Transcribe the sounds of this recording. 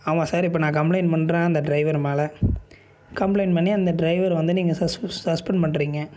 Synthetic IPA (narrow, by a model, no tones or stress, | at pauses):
ɐʋãːsaːɾɪp̬ːɐːnãːkɐmplɐɪnpɐɳɾãːɐnd̪ɐɖɾɐɪʋɐɾmɛːlɐ | kɐmplɐɪnpɐɳːiɐnd̪ɐɖɾɐɪʋɐɾʋɐnd̪ɯniːŋɡɐsɐssɐspɐɳpɐɳːɾiːŋɡɐ